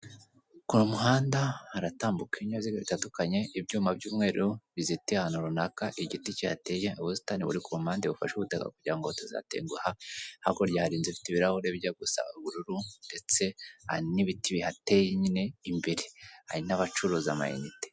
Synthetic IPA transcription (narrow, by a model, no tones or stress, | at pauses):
kunumuɦaːndahaɾataːmbukiɲaβziɡeβitatukaɲe̞ibɟuːmabɟuːmŋe̞ːɾuβizitihahanuɾunakaʔiɟiticihate̞jeoβusi̥taniβṵɾikuumaːndeβufa̰ʃuβutaka̰kuɟiɾaŋɡotoza̰tḛŋɡuhahakoɾjahaɾiːnzifi̥tiβiɾahoɾeβɟaɡusa̰ɡuɾuɾunde̞t͡se̞ha̰iniβitiβihate̞jeɲine̞imbeɾeha̰ɾinaβat͡ʃuɾoza̰ma̰jḛnite̥